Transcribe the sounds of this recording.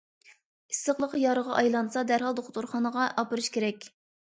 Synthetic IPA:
i̥səχlˠəqjɑɾəʁɑʔɑjlˠɑnsɑd̪æɾɦɑlˠd̪oχt̪uɾχɑnəʁɑʔɑpɨɾɨʃkʲʰeɾɛkʲ

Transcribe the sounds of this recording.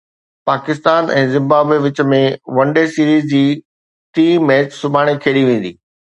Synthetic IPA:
paːkɪst̪aːnɛ̰̃ːzɪ̃mbaːbeʋɪt͡ɕə̆mẽʋɐ̃ɳɖesiːɾiːzd͡ʑiː | t̪iːmɛːt͡ɕsʊbʱaːɽ̃ekʰeːɽiʋẽːn̆d̪iː

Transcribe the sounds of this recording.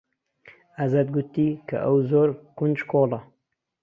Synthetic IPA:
ɐzɐd̪̚ɡut̪ːikʰɐ̰ʔɐwzoːɾkund͡ʒkʰoːlɐ

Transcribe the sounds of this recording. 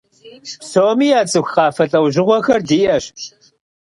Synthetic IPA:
soːmiːjaːt͡sʼɨxqɑːfɐɬʼɐwʒɪʁʷɔxɐrdiːʔɐɕ

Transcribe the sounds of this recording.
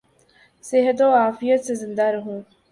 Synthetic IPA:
sɪɦət̪̬oaːfɪjət̪sezɪ̃nd̪aɾɐɦũː

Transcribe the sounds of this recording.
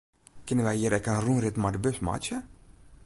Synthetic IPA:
kɪnənʋɛjɦiːəɾɛkənrunrɪt̪madbøsma̰t͡ʃə

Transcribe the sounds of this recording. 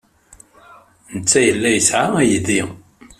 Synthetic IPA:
nət͡sːæjəlːæjəsʕaæjði

